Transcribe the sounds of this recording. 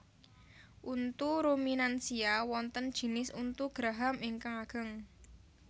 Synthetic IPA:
ʔunt̪uɾominansiawɔnt̪ənd̥ʒ̥i̤nɪsunt̪uɡ̥ɾaɦamiŋkaŋaɡ̥ə̤ŋ

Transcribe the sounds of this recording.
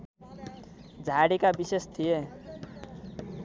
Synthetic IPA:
d͡zʱaɽikabisest̪ʰije

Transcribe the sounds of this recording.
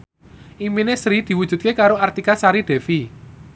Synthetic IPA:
ʔiminesɾid̪̥i̤wud̥ʒ̥ṳt̪̚kekaɾoart̪ikasaɾiɖ̪̥ɛ̤fi

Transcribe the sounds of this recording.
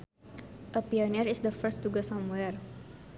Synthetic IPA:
ʔəpioniɾɪsd̪əfəstːuɡəsɔ̃mwɛr

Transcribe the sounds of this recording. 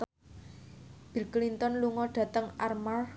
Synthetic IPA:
b̥i̤lklint̪ɔnluŋɔɖ̥ä̤t̪əŋʔarmar

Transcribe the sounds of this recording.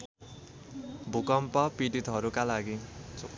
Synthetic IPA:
bʱukʌmpʌpiʈit̪ɦʌɾukalaɡit͡s

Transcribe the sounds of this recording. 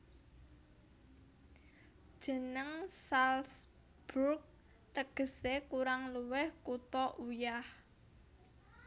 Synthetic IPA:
d̥ʒ̥ə̤nəŋsals | b̥urk̚ | t̪əɡ̥ə̤sekuɾaŋluwɪhkut̪ɔʔujah

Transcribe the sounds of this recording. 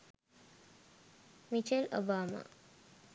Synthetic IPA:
mit͡ʃelo̰baːma̰

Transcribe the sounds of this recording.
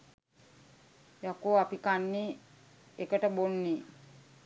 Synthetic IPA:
jakoapikanːi | ekəʈəbonːi

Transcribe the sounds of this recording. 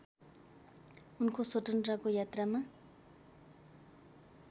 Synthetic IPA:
unkʰosoʈənɾakojat̪rama

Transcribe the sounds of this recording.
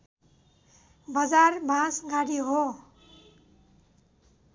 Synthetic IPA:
bʌd͡zarbʱãsɡaɽiɦo

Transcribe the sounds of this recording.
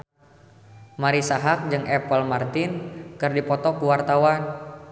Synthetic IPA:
maɾisaɦak̚d͡ʒɨŋɛpəlmart̪ɪnkɨrdipɔt̪ɔkuwart̪awan

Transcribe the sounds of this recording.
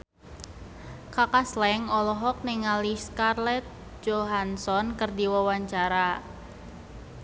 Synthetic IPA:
kakaslɛŋɔlɔɦɔk̚nɪŋaliskarlɛt̪̚ | d͡ʒoɦansɔnkərd̪iwɔwaɲt͡ʃaɾa

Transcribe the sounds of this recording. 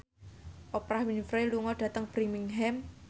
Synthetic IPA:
ʔopɾahwinfɾeluŋɔɖ̥ä̤t̪əŋb̥ɾimiŋɦɛm

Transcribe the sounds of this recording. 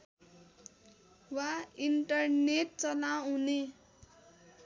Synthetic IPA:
waiɳʈʌrneʈ̚t͡sʌnaɦune

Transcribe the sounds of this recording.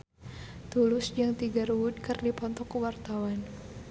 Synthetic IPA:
t̪ulʊsd͡ʒaŋt̪iɡaɾuwʊd̪̚kɨrdipɔnt̪ɔkːəwart̪awan

